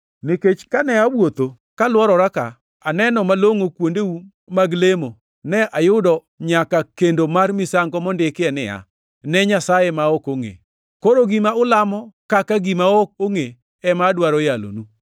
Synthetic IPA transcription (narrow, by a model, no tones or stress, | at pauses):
nɪket͡ʃkanɛawot̪o | kalwɔɾɔɾaka̰ | anɛnɔmaloŋokwondeu | maɡlemo | nɛʔajʊdɔ | ɲakakendomarmɪsaŋɡɔmɔndɪkɪɛnɪ̰a̰ | nɛɲasajemaokoŋḛ | koɾoɡimaʊlamɔkakaɡimaok̚oŋe | ɛmadwaɾɔjalo̰nu